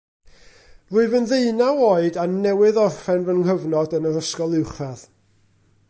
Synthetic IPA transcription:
rʊɨvənðeɨnawoɨdanɛwɨðɔrfɛnvənŋhəvnɔdənəɾəskɔlˠɪwχað

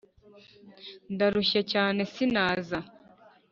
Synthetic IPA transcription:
ndaɾuʃecaːne̞sinaːza

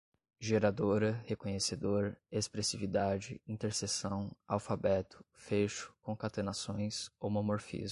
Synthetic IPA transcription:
ʒeɾad̪oɾɐhekõɲesed̪oɾespɾesivid̪ad͡ʒɪĩnt̪eɾsesɐ̃w̃awfabɛt̪ʊ̥feʃʊ̥kõkat̪enasõj̃sowmomoɾfḭz

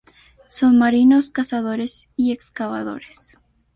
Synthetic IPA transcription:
sonmaɾinoskasaðo̞ɾesiekskaβa̰ðo̞̰ɾes

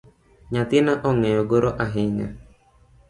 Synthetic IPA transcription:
ɲat̪inaʔɔŋɛoɡoɾoʔaɦiɲa̰

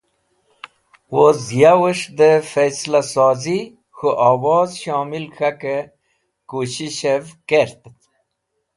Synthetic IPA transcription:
wozjawəʂd̪əfeslasɔːzi | xoʔaːwɔːzɕɔːmilkʰake | kuɕiɕevkeɾt̪t̪

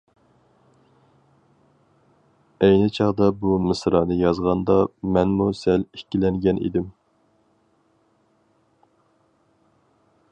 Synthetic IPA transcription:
ɛjnɪt͡ʃʰɑʁd̪ɑbumɪsɾɑnɨjɑzʁɑnd̪ɑmɛnmusɛlekʲilɛŋɡʲɛnʔḭd̪ɪm

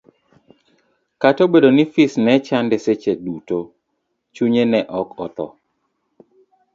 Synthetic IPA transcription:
katobedonifisnɛt͡ʃandɛset͡ʃeduto | t͡ʃuɲenɛʔɔkɔt̪ɔ̰

